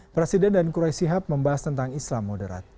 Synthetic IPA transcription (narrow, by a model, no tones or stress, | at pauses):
pɾesidɛndankuɾajsiɦap̚məmbaɦast̪ənt̪aŋislamːodəɾa̰t̪̚